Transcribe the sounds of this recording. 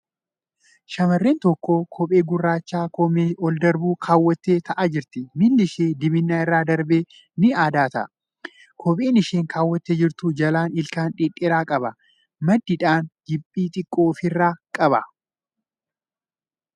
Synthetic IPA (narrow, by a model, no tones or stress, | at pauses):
ʃɐmɐrːeːnt̪ɔkːoːkʰɔpʼe̞ːɡʊrːaːt͡ʃːaːkɔmeːɔld̪ɐɾbuːkʰaːwːɐt̪ːe̞ːt̪ʰɐʔɐd͡ʒɪɾt̪ɪmɪlːɪʃeːd̪ɪbɪnːaːɪrːaːd̪ɐɾbeː | nɪaːd̪aːt̪ɐʔɐ | kʰɔpʼeːnɪʃeːŋkʰaːwːɐt̪ːeːd͡ʒɪɾt̪ʊd͡ʒɐlaːnɪlkaːnᶑɪːᶑʼɪɾaːkʼɐbɐ | mɐd̪ːɪᶑaːnɡɪpʼːiːt̪ʼɪkʼːo̞ːfɪrːaːkʼɐbɐ